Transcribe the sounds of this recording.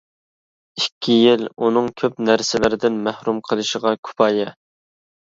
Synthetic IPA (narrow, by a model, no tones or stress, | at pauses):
ikʲʰːijilunɨŋkʲʰøpnæɾsɪlɪɾɪd̪ɪnmæhɾumqʰəlˠɨʃəʁɑkʲʰu̥pʰɑːjɛ